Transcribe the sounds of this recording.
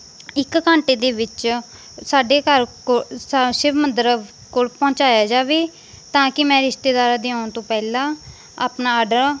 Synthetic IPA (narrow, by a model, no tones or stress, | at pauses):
ɪkːãːɳʈeːd̪eːʋɪt͡ʃ | saːɖeːkəɾ | sɪbmənd̪əɾ | koːlpɔ̃ːt͡ʃaːjaːd͡ʒaːʋeː | t̪ãːkɪmɛ̃ːɾɪʃt̪eːd̪aːɾaːd̪eãːt̪õːpɛːlãː | a̰ːpnaːaːɖəɾ